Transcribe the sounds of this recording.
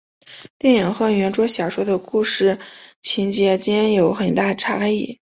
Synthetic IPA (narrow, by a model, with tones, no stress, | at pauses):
t̪jɛ˥˩nji˨˩ŋxɤ˥˩ɥɛ˧˥nʈ͡ʂwɔ˥ɕjɑ˨˩ʂwɔ˥d̪ə˨ku˥˧ʂɻ̩˥˩t͡ɕʰi˧˥nt͡ɕjɛ˧˥t͡ɕjɛ˥njo˧˥ʊxə˨˩nt̪a˥˩ʈ͡ʂʰa˥i˥˩